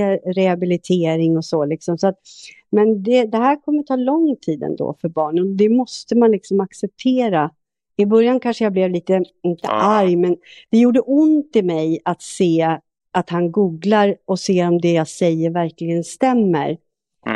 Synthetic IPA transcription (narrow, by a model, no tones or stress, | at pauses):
ɾɛhabɪlɪt̪ʰeːɾɪŋɔsɔlɪksɔmsɔat̪̚ | mɛnd̪ɛd̪ɛɦæːɾkʰɔmːəɾt̪ʰɑːlɔŋːt̪ʰiːd̪ɛ̰nd̪o̰ːfœɾbɑːɳənɔd̪ɛmɔst̪əmanlɪksɔmaksɛp̚t̪ʰeːɾa | ɪbœɾjankʰanʂəjablɛvliːt̪əɪnt̪ə̰ʔaɾjmɛnd̪̥ɛjuːɖəʔʊnt̪ɪmɛjat̪seː | at̪hanɡuːɡlaɾɔseːɔmd̪ɛjasɛjːəɾvæɾklɪɡənst̪ɛmːə̰ɾ